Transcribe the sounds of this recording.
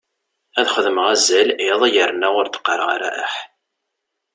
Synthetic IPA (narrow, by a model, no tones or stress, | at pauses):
æðχəðəməʁæzːælɪðˤjərnæʁʊɾt̪ə̥qːəɾˤʁa̰ɾæ̰ʔə̰ħ